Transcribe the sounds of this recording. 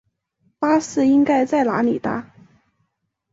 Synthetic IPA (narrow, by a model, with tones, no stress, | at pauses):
pa˥sɹ̩˥˧i˥ŋka˥ɪt͡sa˥˩ɪla̰˧˥nḭ˨˩t̪a̰˥